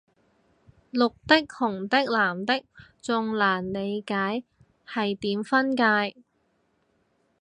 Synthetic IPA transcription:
lʊ˨k̚t̪ɪ˥k̚hʊ˨˩ŋt̪ɪ˥k̚laː˨˩mt̪ɪ˥k̚t͡sʊ˨˧ŋlaː˨˩nle˨˧jkaː˨˥j | hɐ˨jt̪iː˨˥mfɐ˥nkaː˧j

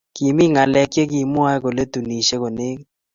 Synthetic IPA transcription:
ki˨mi˦ŋa˨lɛ˨kje˦ki˨mʊ˦a˦ɛ˦ko˨le˦tu˨ni˨ʃe˦ko˨ne˦k

